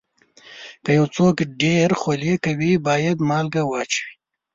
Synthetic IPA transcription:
kəjawt͡sokeɖeɾxolekawibɑːjad̪mɑːlɡawɑt͡ʃwi̥

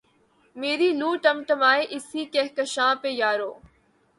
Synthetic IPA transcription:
meːɾiːluːʈɐmʈəmaːeʔɪsikeɦkɐʃãːpejaːɾoː

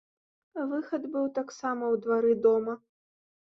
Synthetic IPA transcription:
vɨxɐd̪bɨwt̪aksamɐwd̪vaɾɨd̪ɔmɐ

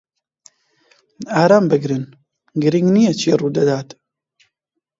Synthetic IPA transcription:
aːɾaːmbɨɡɾɨn | ɡɨɾiŋɡnijɛt͡ʃʰeːruːd̪ɐd̪aːt̪

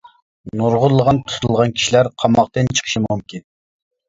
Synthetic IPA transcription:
nuɾʁʊɾlˠːəʁɑnt̪ʰu̥t̪ʰulˠʁɑnkʲʰi̥ʃilæɾqʰɑmɑqt̪ɨnt͡ʃʰə̥qʰə̥ʃimumkʲin

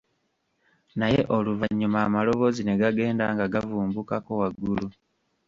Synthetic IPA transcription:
naje̞ʔo̞luvaɲːumaːmalo̞βo̞zine̞ɡaɡe̞ːnda̰ŋɡaɡavuːmbukako̞waɡːulu

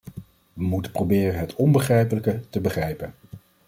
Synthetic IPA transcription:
ʋəmutəprobɪːrənɦətʰɔnbəχrɛjpələkətəbəχrɛjpən

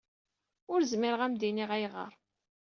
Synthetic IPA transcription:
ʊɾzmɪɾəʁæmd̪iniʁæjʁə̰ɾˤ

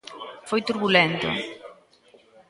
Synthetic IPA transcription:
fojt̪uɾβulɛnt̪o̰

